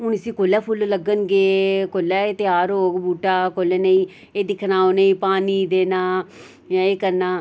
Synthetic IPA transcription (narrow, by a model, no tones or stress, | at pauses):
ɦʊnɪsĩːkoːlɛːpʰʊlləɡənɡeːkoːlːɛːt̪ɪjaːɾɦoːɡbuːʈaːkoːlɛːneĩː | eːd̪ɪkʰnaːoːneĩːpaːniːd̪eːnaː | jãːeːkəɾnaː